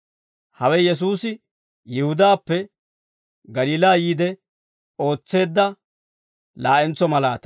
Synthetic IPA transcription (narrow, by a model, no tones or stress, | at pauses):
hɐwɛjɛs̬uːsɪ | jɪhʊd̪aːpːɛ | ɡɐliːlaːjiːd̪ɛ | o̞ːt͡sːe̞ːd̪ːɐ | laːʔɛnt͡sːɔmɐlaːt̪ɐ